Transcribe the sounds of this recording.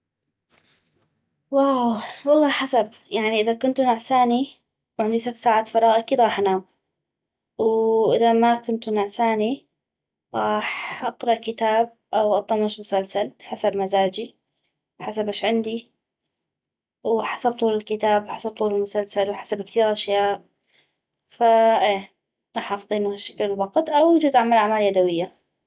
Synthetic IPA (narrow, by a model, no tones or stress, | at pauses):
waːwwɑlˤːɑːħasabjaʕniʔɪðakʊnt̪nʊʕsaːni | wʕɪnd̪iθaθsaːʕaːt̪fɑɾˤɑːɣʔakiːd̪ɾɑːħʔanaːw | wʔɪðamakʊnt̪nʊʕsaːni | ɾˤɑːħʔɑqɾˤɑʔkɪt̪aːb̚ʔawʔɑt̪ˤːɑmaʃmʊsalsalħasabmazaːd͡ʒi | ħasabʔaːʃʕɪnd̪i | wħḁsab̚t̪ˤuːlɪlkɪt̪aːbwħasab̚t̪ˤuːlɪlmʊsalsalwħḁsabkθiːɾʔaʃjaːʔ | faʔeː | ɣˤɑːħʔɑxd̪ˤiːʔnahaʃːaklɪlwɑqt̪ʔawjad͡ʒuːzʔaʕmalʔaʕmaːljad̪awɪjːa